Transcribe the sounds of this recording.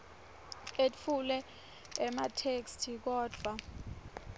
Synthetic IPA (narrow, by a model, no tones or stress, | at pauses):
etfulɛ | ɛmatʰekstʰik̬ɔːd̥ʱwa